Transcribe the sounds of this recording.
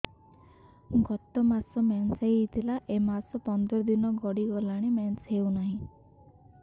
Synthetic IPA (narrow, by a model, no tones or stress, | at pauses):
ɡɔt̪ɔmasɔmansejit̪ʰilaʔemasɔpɔnd̪ɔɾɔd̪inɔɡɔɽiɡɔlaɽ̃emansɦewnaɦĩ